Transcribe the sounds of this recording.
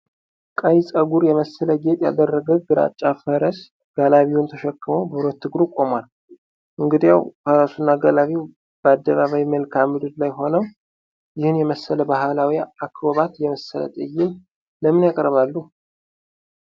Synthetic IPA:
kʼəjsʼəɡuɾjɛməsːələɡe̞t̪ʼja̰d̪ərːəɡəwɡɨɾa̰t͡ʃʼːafəɾəs | ɡ̥alaβiwunt̪ʰəʃɛkːɨməwbəɾot̪ʰːɨɡɾukʼo̞mal | ʔɨŋɡɨd̪ijawkʰəɾasunːaɡalaβiw | b̥əad̪ːəβaβawjməlkʰamɨd̪ɨd̪lajɦo̞nəw | jɪhɨnjɛməsələbaɦalawiakːboβat̪jɛməsːələ̰t̪ʼɨjːɪm | ləmɨnjakʼəɾβalːu

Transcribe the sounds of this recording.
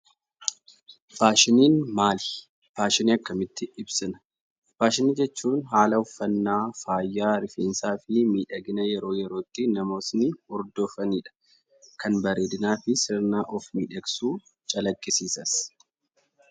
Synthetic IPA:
faːʃɪniːnmaːlɪ̥ | faːʃɪniːɐkːɐmɪt̪ːɪɪbsɪnɐ̥ | faːʃɪniːd͡ʒɛt͡ʃːuːnɦaːlɐʊfːɐnːaːfaːjːaːɾɪfeːnsaːfɪmiːᶑɐɡɪnɐjɛɾo̞ːjɛɾo̞ːt̪ːɪnɐmo̞ːsnɪɔɾd̪oːfɐniːᶑɐ̥ | kɐnbɐɾeːd̪ɪnaːfɪsɪɾnaːʔɔfmiːᶑɐɡsuː | t͡ʃʼɐlɐkʼːɪsiːsɐs

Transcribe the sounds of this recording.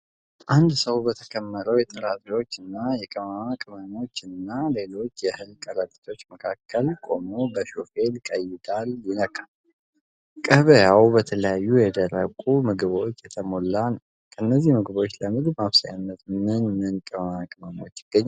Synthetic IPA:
ʔand̪səwbət̪ʰə̥kʰəmːəɾəwjɛt̪ʼɨɾat̪ʼio̞t͡ʃːɨnːajɛkʼəmamakʼɨməno̞t͡ʃːɪnɨnːale̞lo̞t͡ʃːjɛhɨlkʼəɾət̪ʼi̥t̪ʰo̞t͡ʃːməkʰakʰːəlkʼo̞mobəʃo̞fe̞lkʼəjɪd̪aljɪnəkʼal | kʼəβəjawbət̪ʰələjajːujɛd̪əɾəkʼumɨɡβo̞t͡ʃːjɛt̪ʰəmo̞lːan | kʰəɨnːəzːihmɨɡbo̞t͡ʃːləmɨɡbmaβsaja̰nːət̪mɨnmɨnkʼəmamakʼɨməno̞t͡ʃːɪɡ̥ːəɲːa

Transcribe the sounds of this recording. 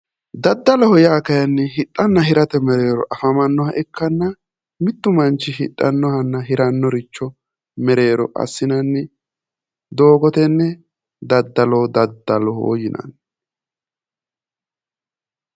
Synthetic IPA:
d̪ɐd̪ːɐlɔhɔjaːkɐjɐnːɛɦɪtʼːɐnːɐɦɪɾɐt̪ɛmɛɾe̞ːɾɔ̰ʔɐfɐmɐnːɔhɐʔɛkːɐnːɐ | mɪt̪ːʊmɐnt͡ʃːɪhɪtʼːɐnːɔhɐnːɐɦɪɾɐnːɔɾɪt͡ʃːɔ | mɛɾe̞ːɾɔʔɐ̰sːɪnɐnːɪ | d̪o̞ːɡɔt̪ɛnːɛ | d̪ɐd̪ːɐloːd̪ɐd̪ːɐlɔhɔ̰jɪnɐ̰n

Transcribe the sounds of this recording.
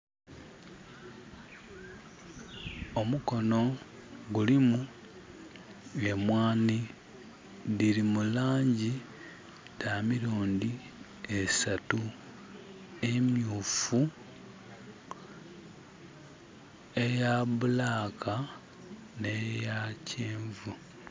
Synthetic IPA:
o̞muko̞no̞ | ɡulimu | emwaːni | ðiɾimulaːɲɟi | tamiɾoːndi | esatu | e̞mjuːfu | e̞jaβulaːkʰa | ne̞jacʰeːɱvu

